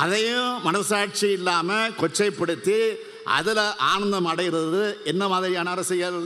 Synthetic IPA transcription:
ʔɐðɐjʊ̃mɐnɐsaːʈ̚t͡ʃiɪlːaːmɐkɔt͡ʃːɐɪpːɐɽɯt̪ːi | ʔɐ̰ðɪlʔaːɳɐnd̪ɐmɐɽɐjɪɾɐðɯɛnːɐmaːðɪɾɪjaːnɐːɾɐsɪjɐɾɐɯ

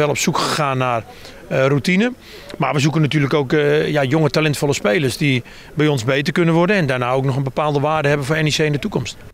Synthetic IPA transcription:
ʋɛlˠɔpsukxəxaːnːar | rutinə | maʋəsukənatyːrləkoːkjajoŋətalɛntfɔlˠəspeːlˠəsdi | bɛjɔnzbeːtərkønənʋɔrdənɛndanaːowknɔxənbəpaːlˠdəʋaːdəɦɛbənfoːɛniseːɪndətukɔmst

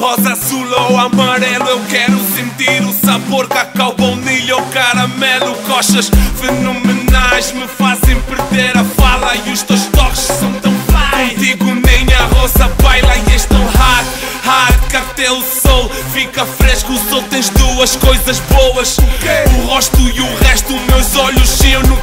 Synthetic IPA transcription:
ʁɔzɐsulˠɐwamɐɾɛlˠuewkɛɾusẽnt̪iɾusɐβoɾkakawpɐwniʎowkɐɾɐmɛlˠukɔʃɐʃfɨnomɨnajʃmɨfazẽj̃pɨɾðeɾɐfalˠɐiuʃt̪ewʃt̪ɔkʃsɐ̃w̃t̪ɐ̃w̃plakõt̪iɣunẽj̃ɐʁozɐpajlˠɐieʃt̪ɐ̃w̃haɾ | haɾkɐt̪ɛusɔlˠ | fikɐfɾeʃkusot̪ɐ̃j̃ʒd̪uɐʃkojzɐʒbowɐʃkuʁɔʃt̪uiuʁɛʃt̪umewzɔʎuʃʃiwnũ

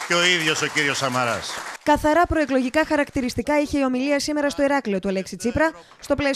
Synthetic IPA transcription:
ceoiðʝo̞so̞ciɾio̞sɐmɐɾɐ̰skɐθɐɾɐpɾo̞e̞klo̞ʝikɐxɐɾɐkt̪iɾist̪ikɐiçe̞io̞miliɐsime̞ɾɐst̪o̞iɾɐklio̞t̪uɐle̞ksit͡sipɾɐ | st̪o̞ples

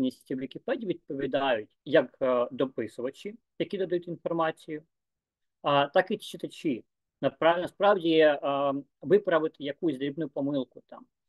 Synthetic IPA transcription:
nʲisʲtʲiwʋʲikʲɪpɛdʲiʋʲid̪̚pɔʋʲid̪ɑjʊtʲjɐkd̪ɔpɪsʊʋɐt͡ʃi | jɐkʲid̪ɔd̪ɐjutʲinfɔrmɑt͡sʲijʊ | t̪ɑkʋit͡ʃːɪt̪ɐt͡ʃʲi | nɐpnɐspɾɑwdʲi | ʋɪpɾɐʋɪt̪ɪjɐkusʲd̪ɾʲibnʊjʊpɔmɪlˠkʊt̪ɑm

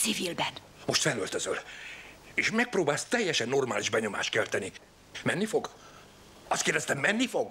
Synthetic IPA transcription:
sivilbɛn | mo̞ʃt̪fɛlølt̪øzøl | eːʃmɛk̚proːbaːlst̪ɛjːɛʃɛnːo̞rmaːliʒbɛɲo̞ma̰ːʃt̪̚kɛlt̪ɛni | mɛnːifo̞ɡ | ɒst̪keːrd̪ɛst̪ɛmːɛnːifo̞ɡ

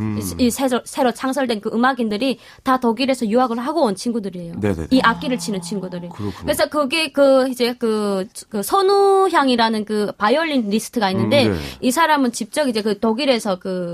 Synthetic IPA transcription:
isʰeɾosʰe̞ɾot͡ɕʰaŋsʰʌɭdwe̞nkɯʔɯmaɡindɯɾi | tatoɡiɾe̞sʰʌjuɦaɡɯɭɦaɡoont͡ɕʰinɡudɯɾie̞joḛiʔak͈iɾɯɭt͡ɕʰinɯnt͡ɕʰinɡudɯɾikkkɯɾesʰʌkɯɡe̞kɯid͡ʑe̞kɯkɯsʰʌnuçjaŋiɾanɯnkɯpajʌʎːinɾisʰɯ̥tʰɯɡainːɯnde̞isʰaɾamɯnt͡ɕip̚t͡ɕ͈ʌɡid͡ʑe̞kɯtoɡiɾe̞sʰʌkɯ

